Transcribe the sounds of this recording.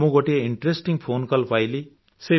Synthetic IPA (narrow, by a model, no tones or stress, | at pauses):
uɡoʈeiɳʈresʈiŋpʰonkʌlpajli | se